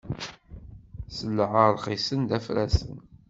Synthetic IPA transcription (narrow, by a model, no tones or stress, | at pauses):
səlːʕəɾˤχisənd̪æfɾæsə̰n